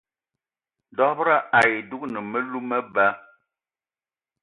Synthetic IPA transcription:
dɔ˦bɾa˦a˨ji˨du˦k̚nə˨mə˦lu˦mə˦ba˦

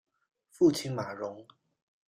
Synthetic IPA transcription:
fu˥˧t͡ɕʰi˥˩nma˨˩ɻʊ˧˥˦ŋ

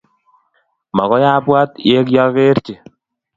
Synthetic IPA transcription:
ma˨kɔ˦ja˦bwa˦t̪je˦kja˦ke˦ɾt͡ʃe˨

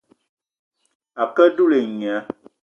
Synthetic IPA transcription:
a˨kə˦du˦le˨ɲ˨a˨˦

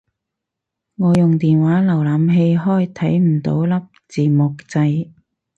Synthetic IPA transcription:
ŋɔː˨˧jʊ˨ŋt̪iː˨nwaː˨˥lɐ˨˩wlaː˨˥mɦe˧jɦɔː˥˩jt̪ʰɐ˨˥jm̩˨˩t̪o˨˥wlɐ˥p̚t͡siː˨mʊ˨k̚t͡sɐ˧j

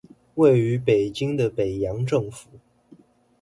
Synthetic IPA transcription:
we˥˩ɪy˧˥pe˨˩ɪt͡ɕi˥ŋd̪ə˨pe˨˩ɪjɑ˧˥ŋʈ͡ʂɤ˥˩ŋfu˨˩˦

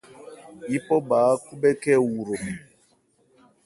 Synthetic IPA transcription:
i˦pɔ˦ɓaː˨˦ku˦bɛ˦kɛ˦wu˨ɾo˨mɛ˨

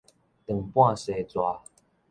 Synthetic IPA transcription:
t̪ə˨˩ŋpwã˥˨se˨˩˦t͡swa˨˧˦

